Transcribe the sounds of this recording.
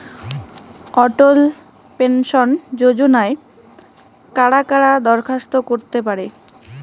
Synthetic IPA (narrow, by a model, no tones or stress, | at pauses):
ɔʈol | penʃond͡ʑod͡ʑonae | kaɽakaɽad̪ɔɾkʰast̪okoɾt̪epaɾe